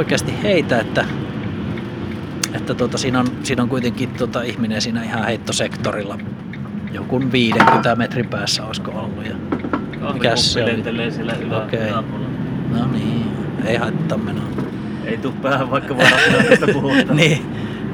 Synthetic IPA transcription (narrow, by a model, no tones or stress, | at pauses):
ikeɑst̪ihheˑit̪æet̪ːæ | et̪ːæt̪uot̪ɑsiːnonsiːnoŋkuit̪eŋkˑit̪uot̪ɑihminensiːnæihɑheˑit̪ːosekt̪orilːɑ | jokunʋiːdeŋkyt̪ɑmet̪rimpæːsːæoˑiskoolːujɑ̰ | mikæsseolieleːsilːæsiokeˑilnoniːeˑihɑˑit̪t̪ːɑmmenonɑ | eˑit̪upːˑæːhæʋʋɑˑikːɑʋɑpuhniː